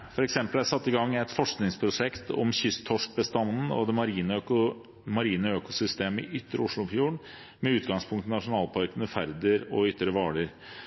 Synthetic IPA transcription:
fɔɾɛksɛmpəlæɾsɑt̪ːɪɡɑŋːɛɪt̪fɔʂknɪŋspʰɾʊʂɛkt̪ɔ̰mçʏst̪ʰːɔʂk̚bəst̪ɑnn̩ɔ̰d̪ɛmɑɾiːnʊ | mɑɾiːnəøːkʊsʏst̪eːməɪʔʏt̪ːəɾʊʂɭʊfjuːɳ | mɛʉːt̪ɡɑŋspʰʊŋkt̪nɑʂʊnɑːlpʰɑɾkənəfæɾd̪əɾɔʏt̪ːɾəʋɑːɭəɾ

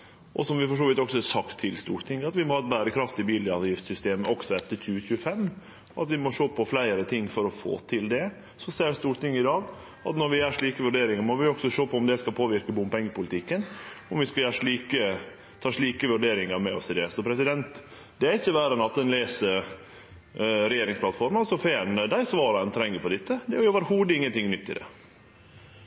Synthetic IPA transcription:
ʔɔsɔmʋɪfɔʂ̬oːʋɪt̪ɔksɔɛsɑkt̪ʰːɪlst̪ṵːɾt̪ɪŋːəɑt̪ʋɪmɔhɑːt̪̚bæːɾəkʰɾɑft̪ɪbiːləɑʋjɪft̪sʏst̪eːməʔɔɡ̥sɔɛt̪ːəɾçʉːəçʉːəfɛmː | ɔɑ̰t̪ʋɪmɔʂoːpʰɔflæɪəɾət̪ʰɪŋːfɔɾɔfo̰ːt̪ʰɪld̪ɛ | sɔseːəɾst̪uːɾʈ̪ɪŋːɪd̪ɑːɡ | ɑ̰t̪nɔɾʋɪæʂɭiːkəʋʉɖeːɾɪŋəɾmɔʋɪɔksɔʂoːpʰɔʊmd̪ɛskɑlpʰoːʋɪɾkəbʊmpɛŋːəpʊlɪt̪ɪkːənɔmʋɪskɑæːʂɭiːkə | t̪ʰɑːʂɭiːkəʋʉɖeːɾɪŋəɾmɛɔsɪd̪ɛsɔpʰɾɛsɪd̪ɛnt̪ | d̪ɛæɾɪçːəʋæːɾənɑt̪̚d̪ɛnleːsəɾ | ɾɛjeːɾɪŋspʰlɑt̪fɔɾmɑlsɔfeːnd̪æɪsʋɑːɾɑnt̪ʰɾɛŋːəɾpʰɔd̪ɪt̪ːəd̪ɛæɾʊɑːʋəɾhuːd̪əɪŋːənt̪ɪŋnʏt̪ːɪ̰d̪ɛ̰

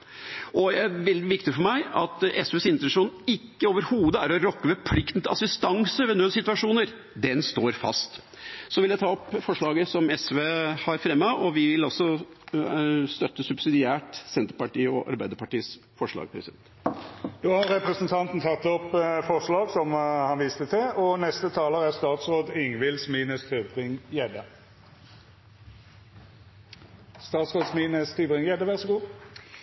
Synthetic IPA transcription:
ʔɔɛæɾʋɛld̪ɪʋɪkt̪ɪfɔmæɪɑt̪ɛsʋeːsɪnt̪ɛʂuːnɪkːəoːʋəɾhuːd̪əæɾɔɾɔkːəʋɛpʰlɪkt̪n̩t̪ɑsɪst̪ɑŋsəʋɛnøːsɪt̪ʋɑʂuːnəɾ | d̪ɛnst̪oːɾfɑ̰st̪ | sɔʋɪljæɪt̪ʰɑːɔpːfɔʂɭɑːɡəsɔmɛsʋeːhɑɾfɾɛmːɑʔɔʋɪʋɪlɔsɔ | st̪œt̪ːəsʉbsɪd̪ɪæːʈsɛnt̪əɾpɑʈiːɔʔɑ̰ɾbæɪd̪əɾpɑʈiːəs | fɔʂɭɑ̰ːɡpʰɾɛsɪd̪ɛ̰nt̪d̪̥oːhɑɾːɛpɾəsnt̪ʰɑnt̪n̩t̪ʰɑt̪ːɔpːfɔʁʂɭɑːɡsɔmhɑnʋiːst̪ət̪ʰɪlɔnɛst̪ət̪ʰɑːləʁæʁst̪ɑːt̪sʁoːd̪ɪŋʋɪlsmiːnəst̪ʰybʁɪŋjɛd̪ə | st̪ɑːt̪sʁoːd̪smiːnəst̪ʰybʁɪŋjɛd̪ːəʋæʁsɔɡuː

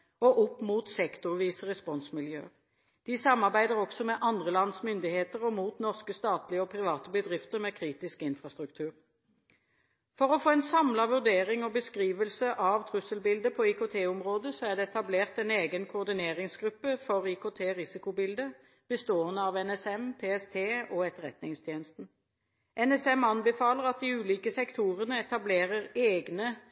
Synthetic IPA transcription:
ɔʔʊpːmuːt̪sɛkt̪ʊʁʋiːsəʁɛspɔnsmɪljø̰ː | d̪̥ɪsɑmːɑʁbæɪd̪əʁɔɡ̥sɔmɛʔɑnd̪ʁəlɑnsmʏnd̪ɪheːt̪əʁɔmuːt̪nɔʁskəst̪ɑːt̪lɪəɔpʰʁɪʋɑːt̪əbəd̪ʁɪft̪əʁmɛkʰʁiːt̪ɪskɪnfʁɑst̪ʁʉkt̪ʰʉːʁ | fɔʁɔfoːɛnsɑmlɑʋʉʁd̪eːʁɪŋɔbəskʁiːʋəlsəʔɑʋt̪ʰʁʉsəlbɪld̪əpʰɔikʊt̪ʰeːʊmʁoːd̪əsɔæʁd̪ɛɛt̪ɑbleːʁt̪ɛneːɡənkʰʊːʁd̪ɪneːʁɪŋsɡʁʉpːəfɔʁiːkot̪ʰeːʁɪsɪkʊbɪld̪ə | b̥əst̪oːənəɑʋɛnɛsɛmpʰeːɛst̪ʰeːɔɛt̪ːəʁɛ̰t̪nɪŋst̪ʰjeːnəst̪n̩ | ʔɛnɛsɛmɑnbəfɑːləʁɑt̪̚d̪ɪʉːliːkəsɛkt̪ʰuːʁənəɛt̪ɑbleːʁəʁeːɡnə

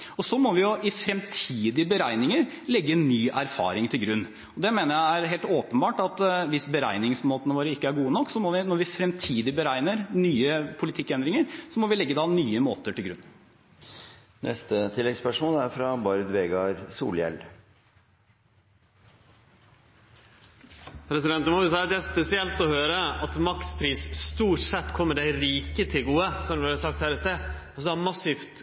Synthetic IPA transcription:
ɔsɔmɔʋɪʊʔɪfɾɛmt̪ʰiːd̪ɪbəɾæɪnɪŋəɾ | lɛɡːənnyːʔæɾfɑ̰ːɾɪŋt̪ʰɪlɡɾʉnː | ɔd̪ɛmeːnəɾjæɪæɾɦeːlt̪oːpənbɑːʈɑt̪ʋɪsbəɾæɪnɪŋsmoːt̪ənəʋoːɾəɪkːəæɾɡuːənɔkːsɔmɔʋɪnɔɾʋɪfɾɛmt̪ʰiːd̪ɪbəɾæɪnəɾnyːəpʰʊlɪt̪ʰɪkːɛnd̪ɾɪŋəɾsɔmɔʋɪlɛɡːəd̪ɑnyːəmoːt̪əʈɪlɡɾʉ̰nː | nʔɛ̰st̪ət̪ʰɪlːɛɡspœʂmoːlæɾfɾɑbɑɾd̪ʋeːɡɑɾsṵːljɛ̰l | pʰɾɛsɪd̪ɛnt̪nmɔʉsɑːd̪ɛæspɛsɪɛlt̪ɔhøːɾəɑt̪mɑk̪spʰɾiːsst̪uːʈsɛt̪ːkʰɔmːəɖæɪɾiːkət̪ʰɪlɡuːəsɔmd̪ɛsɑk̚t̪hæɾəst̪e | sɔd̪ɑmɑsiːft̪

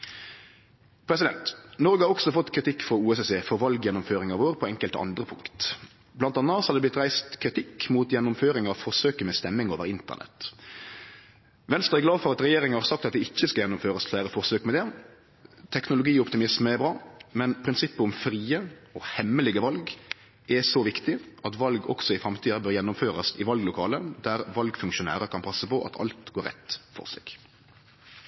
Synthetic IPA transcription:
pʰɾɛsɪd̪ɛnt̪nɔɾɡəhɑʁɔɡsɔfɔt̪ːkʰɾɪt̪ʰɪkːfɔuːɛsɛseːfɔʁʋɑlɡjɛnːʊmføːɾɪŋɑʋoːʁpʰɔɛŋkəlt̪ɑ̰nd̪ɾəpʰʊŋkt̪ | blɑnt̪ɑnːɑshɑd̪ɛb̪lɪt̪ɾæɪst̪kʰɾɪt̪ʰɪkːmuːt̪jɛnːʊmføːɾɪŋɑʋfɔʁsøːkəmɛst̪ɛmːɪŋoːʋəɾɪnt̪ə̰nɛ̰t̪ | ʋɛnst̪ɾʁɑɛɡlɑːʋfɔʁɑt̪ɾɛjeːɾɪŋənhɑɾsɑk̚t̪ɑt̪̚d̪ɪɪçːəskɑjɛnːʊmføːɾəsflæːɾəfɔʁsøːkmɛd̪ɛ | t̪ʰɛknʊlʊɡiːɔpt̪ɪmɪsməɛbɾɑːmɛnpʰɾɪnsɪpːəʊmfɾiːəɔhɛmːəlɪɡəʋɑlɡ | ʔɛsɔʋɪkt̪ɪɑt̪ʋɑlɡɔ̰ksɔɪfɾɑmt̪ʰiːɑbøːɾjɛnːʊmføːɾɑsɪʋɑlɡlʊkʰɑːləd̪æɾʋɑlɡfʉŋkʃʊnæ̰ːɾəkʰɑnpʰɑsːəpɔʔɑ̰t̪ʰɑ̰lt̪ɡoːɾɛ̰t̪fɔ̰ʁsɛ̰ɡ̥

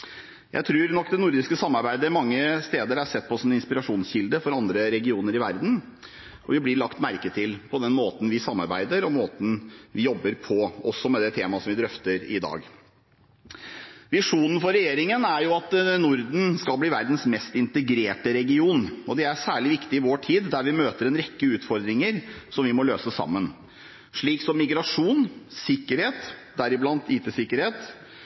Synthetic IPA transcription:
jʔæ̰ɪt̪ʰɾuːɾnɔkːd̪ɛnʊɾd̪ɪskəsɑmːɑɾbæɪd̪əmɑŋːəst̪eːd̪əɾæʂɛt̪̚ːpʰɔsɔmɛɪnspɪɾɑʂuːnsçɪld̪əfɔɾɑnd̪ɾəɾɛɡɪuːnəɾɪʋæɾd̪n̩ | ɔʋɪblɪɭɑkt̪mæɾkət̪ʰɪlpʰɔd̪ɛnmoːt̪n̩ʋɪsɑmːɑ̰ɾbæ̰ɪd̪əɾɔmoːt̪n̩ʋɪjɔbːəɾpʰɔɔsːɔmɛd̪ɛt̪ʰeːmɑsɔmʋɪd̪ɾœft̪əɾɪ̰d̪ɑ̰ːɡ | ʋɪʂuːnən̩fɔɾɛjeːɾɪŋənæɾjʊɑt̪nʊɾd̪n̩skɑlbliːʋæɾd̪n̩smɛst̪ɪnt̪əɡɾeːʈəɾɛɡɪuːnɔd̪ɛæʂæːɭɪʋɪkt̪ɪɪʋoːʈʰiːd̪d̪æɾʋɪmøːt̪əɾɛnɾɛkːəʉːt̪fɔɾd̪ɾɪŋəɾsɔmʋɪmɔløːsəsɑ̰mːən | ʂɭiːksɔmːɪɡɾɑʂuːnsɪkːəɾheːt̪d̪æɾɪblɑnt̪iːt̪əsɪkːəɾheːt̪

